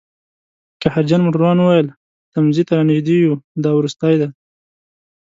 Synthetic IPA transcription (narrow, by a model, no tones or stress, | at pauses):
kahaɾd͡ʒanmʊʈaɾɑnuwajəl | t̪amzit̪aɾɑnɪʒd̪ijud̪ɑwɾust̪ajd̪a